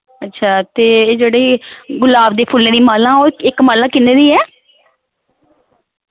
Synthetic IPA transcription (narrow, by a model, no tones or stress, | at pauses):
ətːʃʰaːt̪eːd͡ʒeːɽeːɡʊlaːbd̪eːpʰʊlːñiːmaːlãːoːɪkmaːlãːkɪneːd̪iːɛː